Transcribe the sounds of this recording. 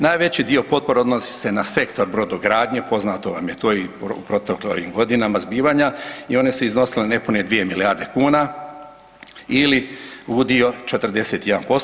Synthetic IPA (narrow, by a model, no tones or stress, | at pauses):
naːjʋe̞t͡ɕid̪io̞po̞t̪̚po̞ɾeo̞d̪nosi̥se̞nase̞kt̪oɾbɾo̞d̪oɡɾaːd̪ɲe̞po̞znat̪o̞ʋa̰mje̞t̪oːipupɾo̞t̪eklo̰ḭmɡo̞d̪inamazbiːʋaɲaio̞ne̞seizno̞silene̞puned̪ʋije̞miliaːɾd̪e̞kuːna | iliud̪io̞t͡ʃe̞t̪r̩d̪e̞se̞t̪je̞d̪a̰npo̞s